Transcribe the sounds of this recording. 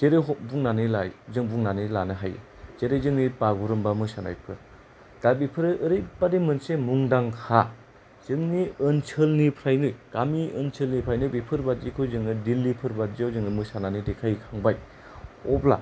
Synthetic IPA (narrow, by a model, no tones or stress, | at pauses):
zeɾeɦɔbuŋnanɯlajzɯŋbuŋnanɯlanɯɦajɯ̰ | zeɾezɯŋnipaɡuɾɯmbamɯsana̰jpʰɯɾ | d̥abipʰɯɾɯʔɯɾɯjbademɯnsemuŋdaŋkʰa | z̥ɯŋniɯnt͡ʃʰɯlnipʰɾajnɯjɡ̥amiɯnsʰɯlnipʰɾajnɯbipʰɯɾbat̚zikʰɯjzɯŋnɯdilːipʰɯɾbaziawzɯŋnɯmɯsananɯdekʰajkʰaŋbaj | ɔpla̰